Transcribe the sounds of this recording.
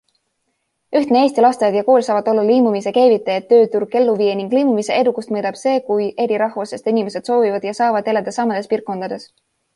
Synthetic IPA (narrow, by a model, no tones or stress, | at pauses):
yht̪nee̞ːsʲt̪ilɑst̪evɑd̪̥jɑko̞ːlʲsɑːvɑd̪o̞lːɑliːmumise̞ke̞ːvit̪ːˑejet̪ːø̞ːt̪uɾɡ̥̚e̞lːuviːeniŋɡ̥liːmumise̞e̞d̪ukːˑust̪mɤːd̪̥ɑb̥se̞ːkujʔe̞ɾiɾɑɦvosest̪inime̞sed̪̥so̞ːvivɑd̪̥jɑsɑːvɑd̪eled̪esɑmɑd̪̥espirkːo̞nd̪̥ɑd̪̥e̞s